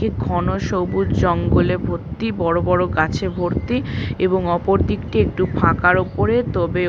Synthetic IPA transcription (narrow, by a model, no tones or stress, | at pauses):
iɡʱɔnoʃowbuɾd͡ʑɔŋɡolebʱoɾt̪ːibɔɾobɔɾoɡat͡ɕʰebʱoɾt̪ieboŋɔpoɾd̪ikʈiek̚ʈupʰãkaɾopoɾet̪ɔbe